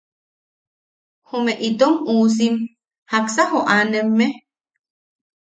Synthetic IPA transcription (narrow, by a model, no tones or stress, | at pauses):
homeʔit̪omuːs̬im | haksahoʔanemːe